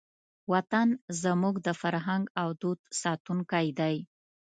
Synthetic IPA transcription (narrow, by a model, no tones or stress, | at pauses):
wat̪anzəmuɡd̪əfaɾɦaŋɡawd̪ud̪sɑt̪uŋkajd̪aj